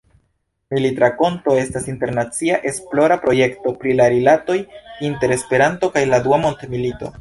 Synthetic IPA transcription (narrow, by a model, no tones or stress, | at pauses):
militɾako̞nto̞e̞stasinte̞ɾnat͡siaʔe̞splo̞ɾapɾo̞je̞kto̞pɾilaɾilato̞jinte̞ɾe̞spe̞ɾanto̞kajladuamo̞ntemilito̞̰